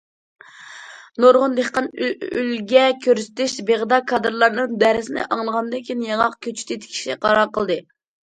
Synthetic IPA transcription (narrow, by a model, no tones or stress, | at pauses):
noɾʁʊnd̪ehqɑnyylɡʲɛkʲʰøɾsɪ̥t̪ʰɪʃbeʁd̪ɑkʰɑd̪ɨɾlˠɑɾnɨŋd̪æɾɪsɪnɪ̰ʔɑŋlˠəʁɑnd̪ɨkʲinjɑŋɑqkʲʰøt͡ʃʰy̥t̪ʰit̪ʰɪ̥kʲʰi̥ʃɛqʰɑɾɑɾqəlˠd̪ɨ